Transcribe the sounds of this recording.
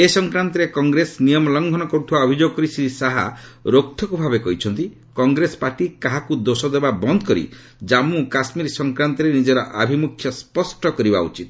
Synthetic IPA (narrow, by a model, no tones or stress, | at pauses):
esɔŋkɾant̪ɔɾekɔŋɡɾesnijɔmɔlɔŋɡʱɔnɔkɔɾut̪ʰibaɔbʱid͡ʒoɡɔkɔɾisid̪isaɦa̰ɾokt̪ʰɔkubʱabekɔɦit͡ʃʰɔnt̪i | kɔŋɡɾesɔ̥paɾʈikaɦakud̪osɔd̪ebabɔnd̪ʱɔkɔɾḭ | d͡ʒamukasmiɾsɔŋkɾant̪ɔɾenid͡ʒɔɾɔʔabʱimukʰjɔspɔsʈɔkɔɾiba̰ṵt͡ʃit̪